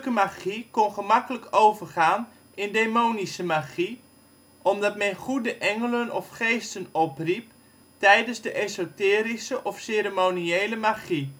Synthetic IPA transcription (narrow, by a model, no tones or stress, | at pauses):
kəmaχikɔnχəmɑkələkowvərχaːn | ɪndeːmownisəmaχi | ʔɔmdɑtmɛnχudəʔɛŋələnɔfχejstənɔprip̚ | tɛjdənzdəʔezotɪːɾisəʔɔfseːɾəmoniejləmaχi